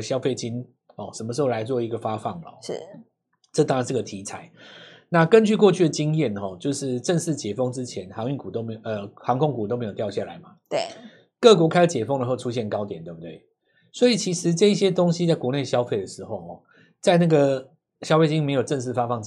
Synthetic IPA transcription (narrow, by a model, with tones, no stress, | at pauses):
ɕjɑ˥ʊfe˥ɪt͡ɕi˦ŋ | ɔ˥˩ʂə˧nmə˧ʂɻ̩˧˥xo˥˩a˧˥ɪt͡swɔ˥˩i˧˥ɡə˨˩fa˦fɑ˥˩ŋlə˨ʂ̩˥˩ | ʈ͡ʂɤ˥˩t̪ɑ˥ŋɻa˧nʂɻ̩˥˩ɡə˩t̪ʰi˧˥t͡sʰa˨˦ɪna˥˨kə˦nt͡ɕy˥˧kwɔ˥˧t͡ɕʰy˥˩d̪ə˩t͡ɕi˦ŋjɛ˥˨nxɔ˨˩t͡ɕjo˥˧ʊʂɻ̩˥˧ʈ͡ʂə˥˧ŋʂ̩˥˩t͡ɕjɛ˨˩fɤ˥ŋʈ͡ʂɻ̩˦t͡ɕʰjɛ˧˦nxɑ˧˥ŋy˥˩ku˨˩t̪o˥me˧˥ə˧xɑ˧˥ŋkʰʊ˥ŋku˨˩o˥ʊme˧˥jtjʊɕja˥˩la̰˨˦ɪma˨t̪we˥˩ | kɤ˥˨kwɔ˧˥kʰa˥ə˧˩t͡ɕjɛ˨˩fɤ˥ŋd̪ə˧xo˥˩ʊʈ͡ʂʰu˦˥ɕ̬jɛ˥˩nkɑ˥ʊt̪jɛ˨˩nt̪we˥˩bu˩t̪we˥˩ɪ | swɔ˧˥i˨˩t͡ɕʰi˧˥ʂɻ̩˧˦ʈ͡ʂɤ˥˧i˥˩ɕjɛ˥t̪o˥ŋɕi˧t͡sa˥˩ɪkwɔ˧˦ne˥˩ɪɕjɑ˥ʊfe˥˩ɪd̪ə˩ʂɻ̩˧˦xo˥˩ʊɔ˨˩ | t͡sa˥˧ɪna˥˩ɡə˩ | ɕjɑ˥ʊfe˥˩ɪt͡ɕi˦˥ŋme˧˥ɪjo˨˩ʊʈ͡ʂə˥˧nʂ̬ɻ̩˥˩fa˦˥fɑ˥˧ŋ